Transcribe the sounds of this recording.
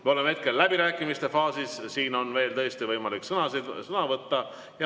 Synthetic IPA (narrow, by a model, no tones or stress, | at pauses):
meoleme̞t̪̚ke̞lːæb̥iɾæːkːˑimist̪e̞fɑːsissiːno̞nve̞ːlt̪ɤ̞est̪ivɤjmɑliksɤnɑsid̪sɤnɑvɤt̪ːɑ | jɑ